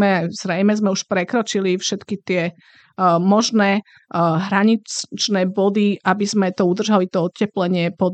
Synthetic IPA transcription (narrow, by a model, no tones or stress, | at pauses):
ɛaz̥ɾɛjmɛzmɛuʃpɾɛkɾɔt͡ʃilifʃɛt̪kit̪ɪɛ | mɔʒnɛː | ɦɾaɲit͡st͡ʃnɛːbɔd̪iʔabizmɛt̪ɔud̪r̩ʒalit̪ɔɔt̪cːɛplɛɲɪɛpɔd̪